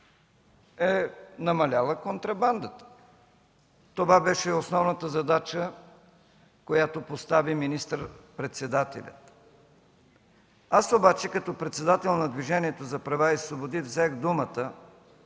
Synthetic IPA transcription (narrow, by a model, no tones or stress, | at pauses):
ɛnɐmɐlʲalˠəkont̪ɾɐband̪ət̪ə̥ | t̪ovabɛʃɛosnɔvnət̪əzɐd̪at͡ʃə | kojat̪opost̪aviminist̪əɾpɾɛt̪sɛd̪at̪ɛ̰lʲə̰t̪ | asobat͡ʃɛkɐt̪ɔpɾɛt̪sɛd̪at̪ɛlˠnɐd̪viʒɛniɛt̪ozɐpɾɐvaisvobod̪ivzɛɣd̪umət̪ə